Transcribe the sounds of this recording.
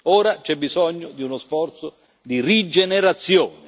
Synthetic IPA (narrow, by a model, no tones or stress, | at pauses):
ɔːɾat͡ʃɛbːizɔɲːod̪iunosfɔrt̪so | d̪irid͡ʒeneɾat̪sːjɔːnɪ